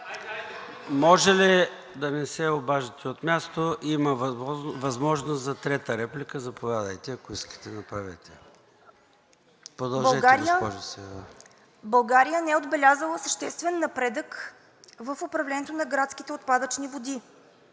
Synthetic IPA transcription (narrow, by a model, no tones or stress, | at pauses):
mɔʒɛli | d̪ɐnɛsɛobaʒət̪ɛot̪mʲjast̪oʔiməvɐzmɔʒnoszɐt̪ɾɛt̪əɾɛplikəzɐpovʲjad̪əjt̪ɛɐkoiskə̥t̪ɛnɐpɾavɛ̰t̪ɛ | pɾod̪ɐlˠʒɛɾiɡəpɔʒosɛd̪a | bɐlˠɡaɾijənɛɛod̪bɛlʲazəlˠəsə̥ʃt̪ɛst̪vɛnːɐpɾɛd̪ək | vəfʊpɾɐvlɛnʲɛt̪onɐɡɾat̪ski̥t̪ɛot̪̚pad̪ət͡ʃnivod̪i